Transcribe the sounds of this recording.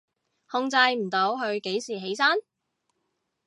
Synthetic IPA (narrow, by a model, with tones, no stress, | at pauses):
hʊ˧ŋt͡sɐ˧jm̩˨˩t̪o˨˥wɦɵ˧ɥke˨˥jsiː˨˩ɦe˨˥jsaː˥n